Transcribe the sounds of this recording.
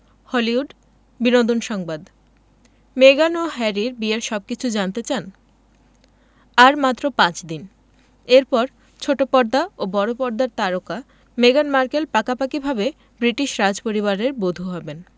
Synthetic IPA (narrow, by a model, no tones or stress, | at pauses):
hɔliuɖ | binod̪onʃɔŋbad̪ | meɡanoɦɛɾiɾbieɾʃɔb̚kit͡ɕʰud͡ʑant̪et͡ɕan | aɾmat̪ːɾopãt͡ɕd̪in | eɾpɔɾ | t͡ɕʰoʈopɔɾd̪aobɔɾopɔɾd̪aɾt̪aɾoka | meɡanmaɾkelpakapakibʱabe | bɾiʈiʃɾad͡ʑpoɾiβaɾeɾbod̪ʱuɦɔben